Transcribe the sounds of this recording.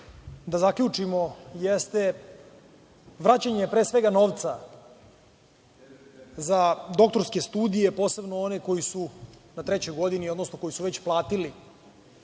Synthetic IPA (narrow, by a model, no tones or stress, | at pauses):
d̪azakʎut͡ʂimo̞jest̪e̞ | ʋɾat͡ɕaɲepɾeːsʋe̞ɡano̞ːʋt̪sa | zad̪o̞k̚t̪o̞ɾske̞st̪uːd̪ije̞po̞ːse̞bnoone̞ko̞jisunat̪ɾet͡ɕo̞jɡo̞d̪inio̞d̪nosno̞ko̞jisuʋet͡ɕplˠaːt̪ili